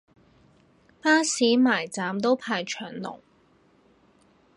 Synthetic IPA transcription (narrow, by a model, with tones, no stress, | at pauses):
paː˥siː˨˥maː˨˩jt͡saː˨mt̪o˥wpʰaː˨˧jt͡ʃʰœː˨˩ŋnʊ̰˨˩ŋ